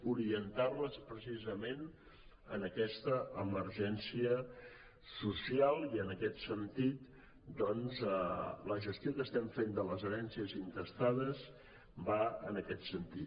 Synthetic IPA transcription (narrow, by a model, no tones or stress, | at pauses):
uɾiənt̪arləspɾəsizəmen | ə̰nəkɛst̪əʔəməɾʒɛnsiə | susialˠiənəkɛt̪sənt̪it̪ | d̪ɔnzələʒəst̪jokəst̪ɛmfend̪ələzəɾɛnsiəzint̪əst̪aðəz | baə̰nəkɛt̪sənt̪i